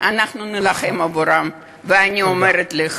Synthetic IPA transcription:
anaχnunelaχemavoɾam | veaniomeɾet̪liχ

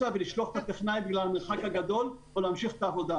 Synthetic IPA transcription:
aveliʃloχt̪at̪eχnajbeɡlalameʁχakhaɡad̪o̞l | oleamʃiχe̥t̪aːvo̞d̪a

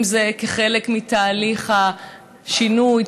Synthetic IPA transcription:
mzekeχe̞lekmit̪aːliχha | ʃinuj

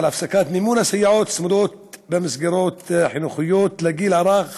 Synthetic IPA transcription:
alʔafsakaːt̪mimuːnasajːaʕoːt̪smʊd̪oːt̪̚bemɪsɡiɾoːt̪ħɪnuxɪjːoːt̪laɡiːlʔɑɾˤɑːɣ

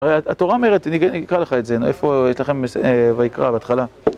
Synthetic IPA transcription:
aʁejaat̪o̞ʁaome̞ʁet̪niniikʁaleχaetzenefo̞jeʃlaχe̞mesvaikʁabeat̪χala

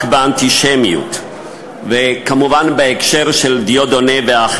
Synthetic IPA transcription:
kbeant̪iʃemiṵt̪ | vekamuvanbeekʃe̞ʁʃeld̪ijodoneveaχ

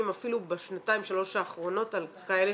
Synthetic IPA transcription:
imafilubeʃnataimʃalo̞ʃaːχʁo̞no̞talkaele

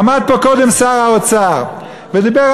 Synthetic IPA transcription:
mad̪̚pokod̪emsaʁaot͡saʁ | ved̪ibeʁ

